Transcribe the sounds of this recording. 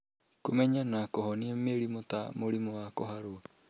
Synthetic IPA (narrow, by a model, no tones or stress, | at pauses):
kumeɲanakoɦoniameɾimot̪amoɾimoakoɦaɾua